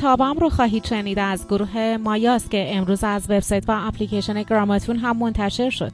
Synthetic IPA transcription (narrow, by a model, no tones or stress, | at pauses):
t̪ʰɒːbæmɾoxɒːɦiːt̪ʃe̞niːd̪æzɡoɾuːɦe̞mɒːjɒːst̪̚cʲʰe̞emɾuːzæzve̞bsɒːjt̪ʰvæːpʰlicʰeʃone̞ɡɾɒːmɒt̪ʰunɦæmːo̞nt̪ʰæʃe̞ɾʃo̞̰d̪̥̚